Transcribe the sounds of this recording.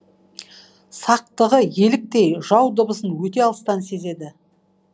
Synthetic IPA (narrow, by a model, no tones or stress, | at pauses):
sɑq̚t̪əʁəje̞lɪk̚t̪e̞jʒɑwd̪əbəsənwɵt̪e̞ɑlˠəst̪ɑnse̞ze̞d̪ɪ